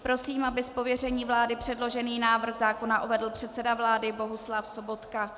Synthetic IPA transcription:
pɾo̞siːmabɪspo̞vjɛr̝ɛɲiːvlaːdɪpr̥ɛdlo̞ʒɛniːnaːvr̩xzaːko̞naʔuvɛdl̩pr̝̥ɛt̪sɛdavlaːdɪbo̞ɦuslafso̞bo̞t̪ka

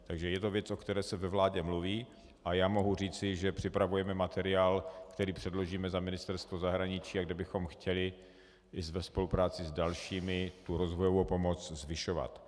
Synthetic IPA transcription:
t̪aɡʒɛjɛt̪o̞vjɛt͡sʔo̞kt̪ɛɾɛːsɛvɛvlaːɟɛmluviː | ʔajaːmo̞ɦur̝iːt͡sɪʒɛpr̥ɪpɾavujɛmɛmat̪ɛɾɪaːlkt̪ɛɾiːpr̝̥ɛdlo̞ʒiːmɛzamɪnɪst̪ɛɾst̪vozaɦɾaɲɪt͡ʃiːaɡdɛbɪxo̞mxcɛlɪ | ɪzvɛspo̞lupɾaːt͡sɪzdalʃiːmɪt̪uɾo̞zvojovowpo̞mo̞t͡szvɪʃova̰t̪

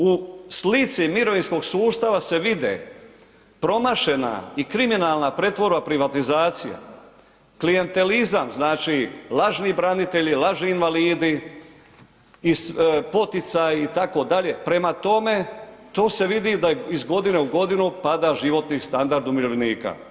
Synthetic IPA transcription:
uslit̪simiɾo̞ʋinsko̞ɡsuːst̪aʋase̞ʋid̪ḛ | pɾo̞maʃe̞na̰ikɾiminaːlˠnapɾe̞t̪ʋo̞ɾbapɾiʋat̪izaːt̪sija̰ | klije̞nt̪e̞lizamznaːt͡ʃilˠaʒnibɾanit̪e̞ʎilaʒniːnʋaliːd̪i | spo̞t̪it̪sajit̪ako̞d̪aʎe̞pɾe̞mat̪o̞me̞t̪o̞ːse̞ʋid̪id̪aizɡo̞d̪ine̞uɡo̞d̪inupad̪aʒiʋo̞t̪nist̪and̪aɾd̪umiɾoʋniːka̰

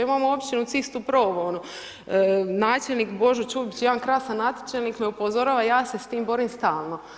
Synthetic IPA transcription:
imamoopt͡ʃinusist̪upɾoːʋoono | naːt͡ʃelˠnikbo̞ʒut͡ʃuːbit͡ɕjeankɾasanːat̪i̥t͡ʃelnikneupozoɾaːʋajaːse̞st̪iːmbo̞ɾimst̪aːlˠno̞

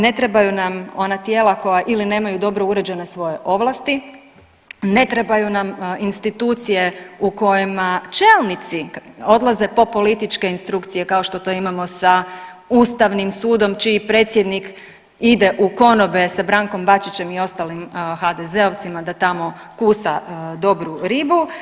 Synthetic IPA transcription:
ne̞t̪ɾe̞bajunamo̞nat̪je̞ːlako̞jaʔiline̞ːmajud̪o̞bɾouɾe̞d͡ʑe̞nesʋo̞je̞ʔo̞ʋlˠast̪i | ne̞t̪ɾe̞bajunaminst̪it̪uːt̪sije̞uko̞jimat͡ʃeːlˠnit̪sio̞d̪lˠaze̞po̞po̞lit̪it͡ʃke̞inst̪ɾukt̪sije̞kao̞ʃt̪o̞t̪o̞imamo̞saust̪aʋnimsuːd̪o̞mt͡ʃiːpɾe̞ːt̪sjed̪nik | id̪e̞ʔuko̞no̞be̞sabɾaŋko̞mbat͡ʃit͡ɕe̞mio̞st̪alimxad̪eze̞oʋt̪simad̪at̪amo̞ | kusad̪o̞bɾuɾibu

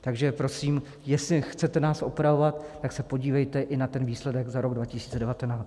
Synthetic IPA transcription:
t̪aɡʒɛpɾo̞siːm | jɛslɪxt͡sɛt̪ɛnaːsʔopɾavo̞vat̪ːaksɛpo̞ɟiːvɛjt̪ɛʔɪnat̪ɛnviːslɛdɛɡzaɾo̞ɡdvacɪsiːt͡sɛdɛvat̪ɛnaː

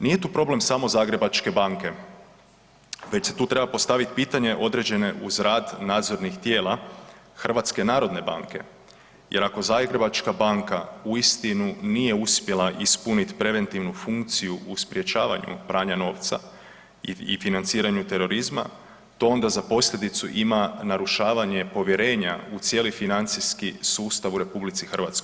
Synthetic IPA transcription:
nije̞t̪uːpɾo̞ble̞msaːmo̞zaːɡɾe̞bat͡ʃke̞baŋke̞ | ʋe̞t͡ɕset̪uːt̪ɾe̞bapo̞st̪aʋit̪piːt̪aɲe̞ʔo̞d̪ɾe̞d͡ʑe̞ne̞ʔuzɾaːd̪naːd̪zo̞ɾnixt̪je̞ːlˠaxr̩ʋat̪ske̞naːɾo̞d̪ne̞ba̰ŋke̞̰ | je̞̰ɾako̞zaːɡɾe̞bat͡ʃkabaːŋkauist̪inunije̞uspjelˠaʔispunit̪pɾe̞ʋe̞nt̪iʋnufuŋkt̪sijuʔuspɾije̞t͡ʃaːʋa̰ɲṵpɾaːɲano̞ːʋt̪sa̰ | iḭfinant̪siːɾaɲut̪e̞ɾo̞ɾizma̰ | t̪o̞o̞nd̪azapo̞slʎʲe̞d̪it̪suʔimanaɾuʃaːʋaɲe̞po̞ʋje̞ɾe̞ːɲa̰ut̪sje̞lifinant̪siskisuːst̪aʋuɾe̞publit̪sixr̩ʋat̪skoj

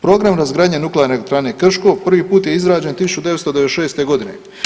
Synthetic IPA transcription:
pɾo̞ːɡɾamɾazɡɾaːd̪ɲenukleaɾnekt̪ɾaːnekr̩ʃkopr̩ʋiːpuːt̪jeizɾaːd͡ʑe̞nt̪isu̥t͡ʃud̪eet̪st̪od̪eʋ̪eʃe̞ːst̪e̞ɡo̞d̪ine̞̰

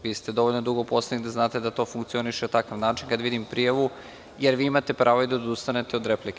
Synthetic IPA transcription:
ʋiːst̪ed̪o̞ʋoʎnod̪uɡopo̞slenid̪aznaːt̪e̞d̪at̪o̞ːfuŋkt̪sio̞niʃenat̪akaʋnaːt͡ʃinkad̪ʋid̪impɾijaʋu | jeɾʋiːimat̪e̞pɾʔaːʋoid̪aod̪ust̪ane̞t̪eod̪ɾe̞plike

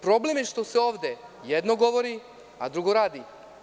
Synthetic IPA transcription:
pɾo̞blemjeʃt̪o̞seoːʋd̪ejed̪noɡo̞ʋo̞ɾi | a̰d̪ɾuɡo̞ɾaːd̪i

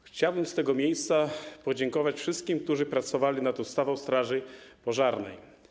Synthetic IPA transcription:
xt͡ɕawbɘmst̪ɛɡɔmʲjejst̪sapɔd͡ʑɛŋkɔvat͡ɕfʂɘst̪̚kʲimk̚t̪uʐɘpɾat̪sɔvalʲinat̪ust̪avɔ̃w̃st̪ɾaʐɘpɔʐaɾnɛ̰j

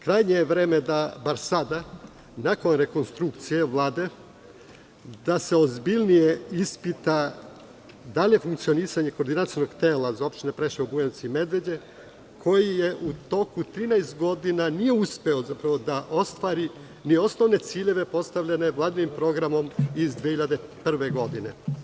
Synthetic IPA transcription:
kɾajɲeʋɾe̞ːme̞d̪abaɾsad̪a | nako̞nɾe̞ko̞nst̪ɾukt̪sije̞ʋlˠaːd̪e̞ | d̪ase̞ozbilʲnije̞ispit̪a | d̪alije̞fuŋkt̪sio̞niːsaɲe̞ko̞ːɾd̪inat̪sijnoɡt̪eːlazao̞pʃt̪ine̞pɾeʃiubujent̪siime̞d̪ʋe̞d͡ʑe̞ | kʰo̞jije̞ʔut̪o̞kut̪ɾiːnaest̪ɡo̞d̪inanije̞uspe̞o̞zapɾaʋo̞d̪aʔo̞st̪ʋaːɾi | nio̞sno̞ʋne̞t̪siːʎe̞ʋe̞po̞st̪aʋʎane̞ʋlˠaːd̪inimpɾo̞ɡɾamo̞mizd̪ʋieçiʎad̪epr̩ʋe̞ɡo̞d̪ine̞

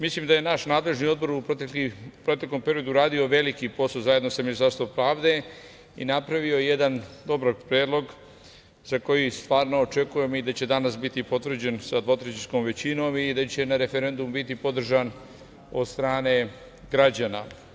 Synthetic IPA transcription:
mislimd̪aje̞naʃnaːd̪le̞ʒnio̞d̪bo̞ɾupɾot̪ekipɾo̞t̪e̞klo̞mpe̞ɾijo̞d̪uɾaːd̪io̞ʋe̞likipo̞sozajed̪nosaminist̪aɾst̪opɾaːʋd̪e̞ | ḭnapɾaʋio̞jjed̪and̪o̞bɾapɾeːd̪lo̞ɡ | z̥ako̞jist̪ʋaːɾno̞ːt͡ʃe̞kuje̞mid̪at͡ɕe̞d̪anasbit̪ipo̞t̪ʋr̩d͡ʑe̞nsad̪ʋo̞t̪ɾet͡ʃiskoːmʋe̞t͡ɕino̞ːmid̪at͡ɕe̞naɾe̞fe̞ɾe̞nd̪umbit̪ipo̞d̪r̩ʒan | o̞̰d̪st̪ɾaːne̞ | ɡɾad͡ʑana̰

